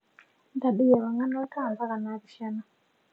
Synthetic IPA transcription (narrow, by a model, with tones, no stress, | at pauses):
nda˨ɗi˦ja˨βa˨ŋa˦nɔ˦i˦ka˦˨nza˦ka˨na˨˦βi˨ʃa˦na˨